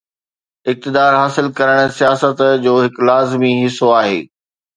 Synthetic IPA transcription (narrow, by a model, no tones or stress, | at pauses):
ɪk̚t̪ɪd̪aːɾɦaːsɪlkɐɾəɽ̃sijaːsət̪d͡ʑoːɦɪklaːzmiɦɪsoaːɦḛː